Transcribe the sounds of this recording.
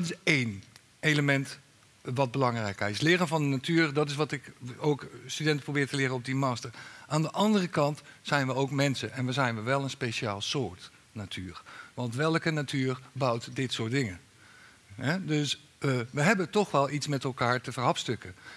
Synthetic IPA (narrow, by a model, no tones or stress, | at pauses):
tɪsejn | ejləmɛnt | ʋɑd̚bəlɑŋrɛjkɪslɪːrənvɑndənatyːɹdɑtɪs̬ʋɑtɪkowkstydɛntə̥prowbɪːɹtəlɪɾəɔp̚dimɑːstəɹʔaːndəʔɑndərəkɑntsɛjnʋəowkmɛnsənʔɛnʋəzɛjnʋəʋɛlˠənspejʃaːlˠsoːɹt | natʰyːɹʋɑntʋɛlˠkənatʰyːɹbɑwtdɪtsʊːt̚dɪŋə | ɦɛdøs | əʋəɦɛbətɔχʋɛlˠitsmɛtɛlˠkaːɹtəvəɹɦɑpstɵkə